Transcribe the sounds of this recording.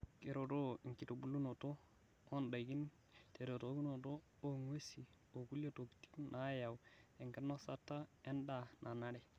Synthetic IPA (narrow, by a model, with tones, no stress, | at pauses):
ke˨ɾo˨to˦i˨ŋki˨to˨bu˦lːu˦no˨to˦ | o˦nda˨jɡi˦n | te˨ɾo˨to˨˦ɡu˦no˨to˦ | o˦ŋwe˦si˨ | o˨ku˦ljo˦to˨kti̥˦knʔa˨˦ja˨we˨ŋke˦nːo˦sa˦tːa˦e˦nda˨nʔa˨na˦ɾɛ˦˨